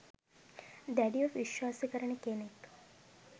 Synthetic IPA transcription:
d̪æɖiofʋiʃwaːsəkəɾəɳəkenek

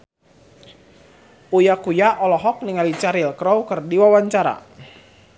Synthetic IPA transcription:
ujakujaʔɔlɔɦɔk̚niŋalit͡ʃaɾilkɾɔwkɨrdiwawaɲt͡ʃaɾa̰

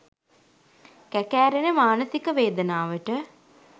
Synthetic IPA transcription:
kækæːɾenəmaːnəsikəʋeːd̪ənaːʋəʈə

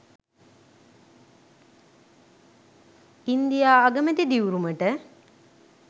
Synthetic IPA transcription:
ind̪ijaːɡəməd̪id̪iwuɾuməʈə

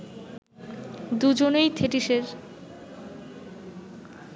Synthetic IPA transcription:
d̪ud͡ʑonejt̪ʰeʈiʃeɾ

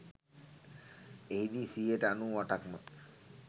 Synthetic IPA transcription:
eid̪iːsiːeʈəanuːʋaʈakmə

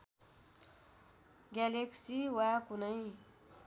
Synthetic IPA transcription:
ɡjaleksiwakunʌj

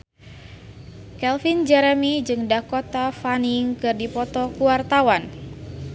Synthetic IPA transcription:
kɛlfind͡ʒɛɾəmid͡ʒɨŋdakot̪afaniŋkɨrdipɔt̪ɔkuwart̪awan

